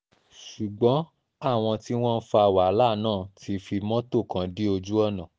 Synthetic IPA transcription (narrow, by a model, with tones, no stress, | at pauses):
ʃu˨ɡ͡bɔ̃˨˦ | a˦˨w̃ɔ̃˧ti˦w̃ɔ̃˦n̩˦fa˧a˧˨wa˨˦la˦˨nãː˦˨tʰi˨˧fi˧mɔ̃˦to˦˨kã˨˦di˦o˧d͡ʒu˦ɔ˦˨nã˨